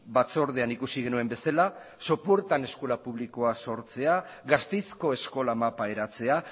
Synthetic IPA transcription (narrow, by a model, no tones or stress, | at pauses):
bat͡so̞ɾð̞e̞anikusiɣe̞nue̞mbe̞salaso̞puɾt̪ane̞sko̞lapuβ̞liko̞aso̞ɾt͡se̞aɣast̪e̞jsko̞e̞sko̞lamapae̞ɾat͡se̞a